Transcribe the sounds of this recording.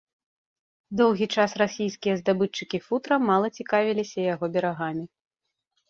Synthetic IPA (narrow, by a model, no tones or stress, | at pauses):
d̪ɔwɣʲit͡ʂasrasʲijskʲijɐzd̪abɨt͡ʂːɨkʲifut̪ɾɐmːalˠɐt͡sʲikavʲilʲisʲɐjaɣɔbʲɛɾaɣamʲi